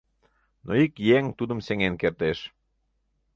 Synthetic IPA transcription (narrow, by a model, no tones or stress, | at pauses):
noikjeŋt̪ud̪ə̆mseŋenkert̪eʃ